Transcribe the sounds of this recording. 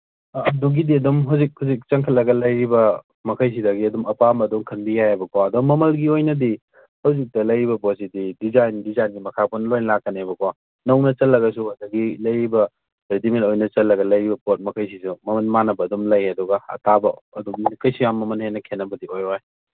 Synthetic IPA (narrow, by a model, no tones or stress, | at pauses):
ɐduɡidiɐdumɦɐwzik̚hɐzik̚t͡ʃɐŋkʰɐt̚lɐɡɐlɐjɾibɐ | mɐkʰɐjs̬idɐɡiɐdumɐpamɐduŋkʰɐnbijajebɐkʰwaɐdumːɐmɐlɡiojnɐdi | hɐwzik̚tɐlɐjɾibɐpotsididizajndizajnɡimɐkʰaponlojnɐlakːɐnebɐkʰwa | nɐwnɐt͡ʃɐt̚lːɐɡɐsuhɐdɐɡilɐjɾibɐ | ɾetimentojnɐt͡ʃɐlːɐɡɐlɐjɾibɐpot̚mɐkʰɐjsisumɐmɐnmanɐbɐːdumlɐjeduɡɐɐ̰tʰabɐɐdumikɐjsijamːɐmɐnhenːɐkʰenːɐbɐdiojɾoaj